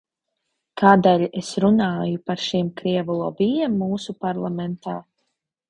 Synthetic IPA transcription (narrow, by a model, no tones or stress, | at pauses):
kaːd̪eːlʲesɾunaːjupaɾʃimkɾiɛvulˠɔːbijɛmːuːsupaɾlˠamɛnt̪aː